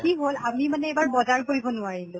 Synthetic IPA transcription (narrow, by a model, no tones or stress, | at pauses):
kiɦolamimanɛebaɹbɔzaɹkoɹibɔnʊaɹilʊ̃